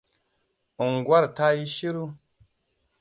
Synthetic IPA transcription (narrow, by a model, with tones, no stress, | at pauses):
u˨ŋɡwa˦ɾta˦ji˦ʃi˦ɾu˦